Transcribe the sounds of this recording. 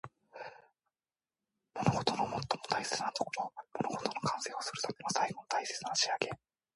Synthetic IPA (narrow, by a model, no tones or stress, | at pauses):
mo̞noɡo̞t̪o̞nomo̞t̪ːo̞mo̞̥t̪aise̞t͡sɨnat̪o̞̥koɾo̞mo̞noɡo̞t̪o̞no̞kãɰ̃se̞ːo̞sɨɾɯ̟t̪ʰame̞nosaiɡo̞not̪ʰaise̞t͡sɨnaɕiaɡe̞